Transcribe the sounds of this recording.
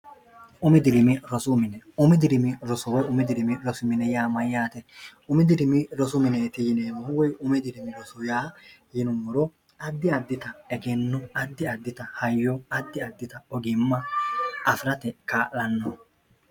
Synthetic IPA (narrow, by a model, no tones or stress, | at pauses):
ʔʊmɛd̪ɪɾɪmɪɾɔsʊmɪnɛʊmɪd̪ɪɾɪmɪɾɔsɔwɔʊmɪd̪ɪɾɪmɪɾɔsʊmɪnɛjaːmɐjːaːt̪ɛʊmɪd̪ɪɾɪmɪɾɔsʊmɪneːt̪ɪjɪneːmɐhʊwɔjʊmɛd̪ɪɾɪmɪɾɔsʊjaːjɪnʊmːɔɾɔ | ɐd̪ːɪɐd̪ːɪt̪ɐɛɡɛnːʊɐd̪ːɪɐd̪ːɪt̪ɐhɐjːɔɐd̪ːɪɐd̪ːɪt̪ɐɔɡɪmːɐɐfɾɐt̪ɛkaːʔlɐnːɔ